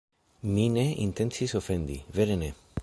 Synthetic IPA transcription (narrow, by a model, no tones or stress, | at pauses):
mineḭnt̪ensisofend̪ḭveɾene